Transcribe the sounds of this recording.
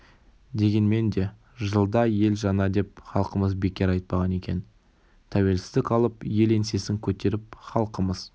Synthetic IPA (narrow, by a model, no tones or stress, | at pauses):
d̪e̞ɡʲe̞nme̞nd̪e̞ | ʒəlˠd̪ɑje̞lʒɑnɑd̪e̞p̚χɑlˠqəməzbe̞kʲːe̞ɾɑjt̪̚pɑʁɑne̞kʲe̞n | t̪ʰæwe̞lsɪ̥zd̪ɪkɑlˠəpje̞le̞nse̞sɪŋkʲʰɵt̪e̞ɾɪp̚χɑlˠqəməz